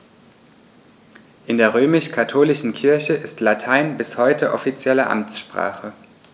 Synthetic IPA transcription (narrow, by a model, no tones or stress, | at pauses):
ʔɪndeːɐʁ̞øːmɪʃkʰatʰoːlɪʃn̩kʰɪɐçəʔɪstlatʰaɪnbɪshɔʏtəʔɔfit͡sjɛləʔa̰mt͡sʃpʁ̥a̰ːχə